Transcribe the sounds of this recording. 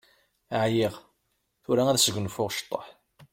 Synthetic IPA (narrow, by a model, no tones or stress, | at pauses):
əʕjiʁ | θuɾaæðsəɡʷnfʊʁʃt̪ˤːə̰ħ